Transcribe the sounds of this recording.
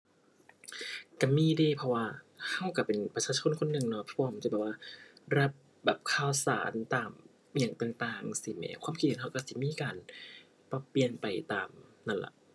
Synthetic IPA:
ka˧˩miː˧˥˨de˧˩pʰɔ˧waː˧˩ | ha˧˩wka˧˩pe˨˩npɾa˧t͡ɕʰaː˧˩t͡ɕʰo˧˥˨nkʰo˧˨nːɯ˨˩ŋnɔ˧˩pʰɔ˧waː˧ma˧˨t͡ɕbɛː˨˩waː˧˩ɾa˦˥p̚ | bɛː˨˩p̚kʰaː˧˥˩wsa̰ː˨˩˦nt̪aː˨˩m | jaː˨˩ŋt̪aː˨˩ŋt̪aː˨˩ŋsi˧˦mɛ̰ː˧˦kʰwaː˧˥˨mkʰi˧t̪̚hɦa˧˩wka˧˩si˧˦miː˧˥˨kaː˨˧n | pa˧˩pːli˧˨ənpa˨˩jt̪aː˨˩mna˧˩nla̰˧˩ʔ

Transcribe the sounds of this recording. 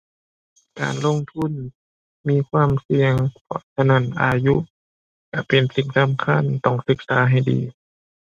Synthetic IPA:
ka̰ː˨˩nlo˧˨ŋt̪ʰu˧˥˨n | miː˧˥˨kʰwaː˧˥˨msi˧əŋpʰɔ̰˧˩sʰa˧na˧˥˨nʔa̰ː˨˧ju˧˥ʔ | ka˧˩pe˨˩nsi˨˩˦ŋsa˧˥˨mkʰa˧˥˨nt̪ɔ˧˩ŋsɯ˧˦k̚saː˨˦ɦa˧˩jdḭː˨˦

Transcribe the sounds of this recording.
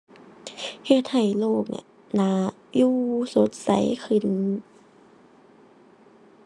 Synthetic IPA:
he˧˩t̪̚ha˨˩jloː˧˩k̚na̰˨˩ | na˧˥ | juː˧so˨˦t̪̚sa̰˨˦jxʰɯ˧˩˨n

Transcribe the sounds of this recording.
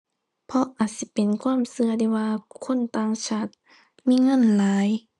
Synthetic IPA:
pʰɔ˧ʔaː˨˩t̪̚si˧˦pe˨nkʰwaː˧˥˨msɯ˧ɐda˧˨waː˧kʰo˧˥˨nt̪aː˧˨ŋt͡ɕʰaː˧˥˩t̪̚ | miː˧˥˨ŋɤ˧˥˨nlaː˨˦j

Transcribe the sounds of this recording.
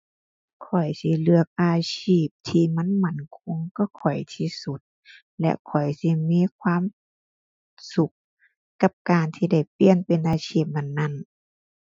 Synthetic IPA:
kʰɔ˨˩jsi˧˦lɯ˧ək̚ʔaː˧ɕʰiː˧˩p̚t̪ʰiː˧ma˧˥˨nma˧˥˩nkʰo˧˥ŋkɔ˧˥˩kʰɔ˨˩jt̪ʰi˧˦su˧˦t̪̚ | lɛ̰˧ʔkʰɔ˨˩jsi˧miː˧˥˨kʰwaː˧˥˨m | su˧˦k̚ː | a˧p̚kaː˨nt̪ʰiː˧da˧˩jpli˧˨ənpe˨nʔaː˨˧t͡ɕʰiː˧˩p̚na˧˩˨nːa˧˩˨n

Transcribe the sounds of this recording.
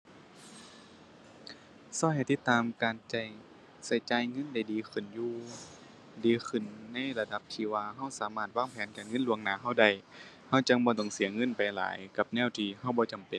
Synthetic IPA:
sɔː˧˩ha˧˩˨jt̪i˧˦t̪ːaː˨mkaː˨nt͡ɕa˧˩j | sa˧˩jt͡ɕaː˧˨jŋɤ˧˥˨nda˧˩jdiː˨˦xʰɯ˧˩njuː˧ | diː˨˦xʰɯ˧˩˨nːa˧˥˨jla˧da˧˦p̚t̪ʰiː˧˩waː˧ɦa˧˥˩wsaː˨˦maː˧˩t̪̚waː˧˥˨ŋpʰɛː˨˦nkaː˨nŋɤ˧˥˨nlu˧əŋnaː˧˦ɦa˧˥˩wda˧˩j | ha˧˥˩wt͡ɕa˧˦ŋbɔː˧˦t̪ɔ˧˩ŋsi˨˦ɐŋɤ˧˥˨npa˨jla̰ː˨˦jka˧˦p̚nɛː˧˥˨wt̪ʰiː˧˩ha˧˩˨wbɔː˧˦t͡ɕa˨˩mpe˨n

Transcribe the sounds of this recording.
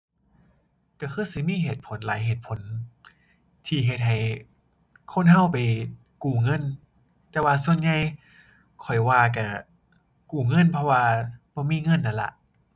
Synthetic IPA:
ka˧˩kʰɯː˧˥˨si˧˦miː˧˥˨ɦeː˨˩t̪̚pʰo˨˦nlaː˨˦jheː˨˩t̪̚pʰo˨˩˦n | t̪ʰiː˧˩ɦe˧˩t̪̚ɦa˨˩j | kʰo˧˥˨nɦa˧˥˨wpa˨j | kuː˨˩ŋɤ˧˥˨n | t̪ɛː˧waː˧su˧˨ənɲa˧j | kʰɔ˨˩jwaː˧˩ka˧˩ | kuː˨˩ŋɤ˧˥˨npʰɔ˧waː˧b̥ɔː˧˦miː˧˥˨ŋɤ˧˥˨nːa˧˩nla̰˧ʔ

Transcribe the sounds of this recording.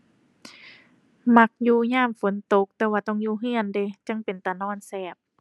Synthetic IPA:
ma˧˥k̚juː˧ɲaː˧˥˩mfo˨˦nt̪o˧˦k̚t̪ɛː˧waː˧t̪ɔ˧˥˨ŋjuː˧ɦɯ˧˥˨ənde˧t͡ɕa˧˥˨ŋpe˨˩nt̪a˨˧˩nɔː˧˥˨nsɛː˧˩p̚

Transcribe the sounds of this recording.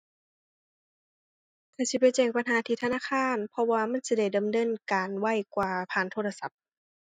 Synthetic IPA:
kʰaː˧˩si˧˦p̬a˨jt͡ɕɛː˧˩k̚pa˧nɦaː˨˦t̪ʰiː˧t̪ʰa˧naː˧˥˨kʰaː˧˥˨npʰɔ˧waː˧ma˧˥˨nsi˧da˧˩jdɤː˨˦mdɤː˧˥˨nkaː˨nwa˧˥˩jkwaː˧pʰaː˧˩˨nt̪ʰoː˧˩˨la˧sa˧˦p̚

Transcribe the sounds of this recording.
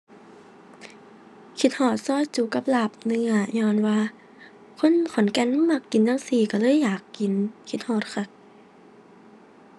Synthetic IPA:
kʰi˧t̪̚hɔː˧˩t̪̚sɔː˧˥˨jt͡ɕuː˧˦ka˧˦p̚la˧˩p̚nɯ˧˨aː˧˩ɲɔː˧˩˨nwaː˧ | kʰo˧˥˨nkʰɔ˨˦nkɛ˧˥˨n˧˨ma˧˩kːi˨ndaː˧˥˨ŋsiː˧˩ka˧˩lɤː˧˥˨jːaː˨˩kːi˨nkʰi˧˦t̪̚hɔː˧˩t̪̚kʰa˧˩

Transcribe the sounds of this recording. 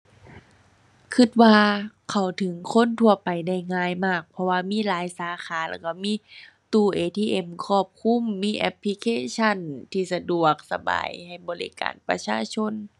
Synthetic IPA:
kʰɯ˧˩t̪̚waː˧ | kʰa˨˩wt̪ʰɯ˨˦ŋkʰo˧˥˨nt̪ʰu˧˩ɐpa˨˩jda˧˩jŋaː˧˩˨jmaː˧˩k̚pʰɔ˧waː˧miː˧˥˨laː˨˦jsaː˨˦xʰaː˨˦la̰˧˩ka˧˩miː˧˥˨ | t̪uː˧˩ʔeː˨˧t̪ʰiː˧ʔe˧˩mkʰɔː˧˩p̚kʰu˧˥˨mːiː˧˥˨ʔɛ˧pʰli˧kʰeː˧˥t͡ɕʰa˧˥˨nt̪ʰiː˧˩sa˧du˨˩ək̚sa˧ba̰ː˨jha˧˩jbɔː˨˦lḭ˧˩ka̰ː˨˩npa̰˧˦t͡ɕʰaː˧˥˨t͡ɕʰo˧˥˨n

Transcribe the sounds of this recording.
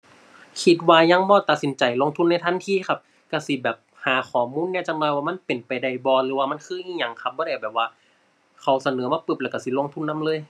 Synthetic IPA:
kʰi˧t̪̚waː˧ɲa˧˨ŋbɔː˧˦t̪a˨˩t̪̚si˨˦nt͡ɕa˨˩jlo˧˥˨ŋt̪ʰu˧˥˨nːa˧˩jt̪ʰnt̪ʰiː˧˨xʰa˧˩p̚ | ka˧˩si˧˦bɛː˨˩p̚haː˨˦kʰɔː˨˩muː˧˥˨nːɛː˧˥˨t͡ɕa˧˩nɔː˧jwaː˧ma˧˥˨npe˨˩npa˨jda˧˩jbɔː˧˦lɯː˨˦waː˧ma˧˥˨kʰɯː˧˥˨ʔiː˧˩˨ɲa˧˩ŋkʰa˧˩p̚bɔː˧˦a˧˩jbɛː˨˩p̚waː˧ | kʰa˧˩wsa˧nɤː˨˦maː˧˩pɯ˧˩p̚lɛː˧˩˧ka˧˩si˧˦lo˧˨ŋt̪ʰu˧˥˨nːa˧˥mlɤː˧˥˨j

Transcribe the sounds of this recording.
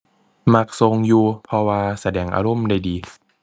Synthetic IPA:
ma˧˩k̚so˧ŋjuː˧pʰɔ˧waː˧sa˧dɛː˧˩ŋʔa̰ː˧ɾo˧˥˨mda˧˩jdiː˨˧

